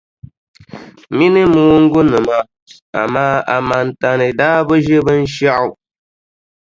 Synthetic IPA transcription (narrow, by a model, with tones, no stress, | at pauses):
mi˦nɨ˦mu˦ŋ̩˦ɡu˦nɨ˨ma˨ | a̰˨maː˦a˨ma˨n˨ta˨nɨ˨daː˦bə˦ʒe˦bə˦n̩˦ʃa˦ʔu˨